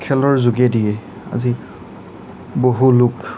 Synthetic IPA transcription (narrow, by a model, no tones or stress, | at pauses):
kʰɛlɔɹzuɡɛdijɛ | a̰zi | boɦuluk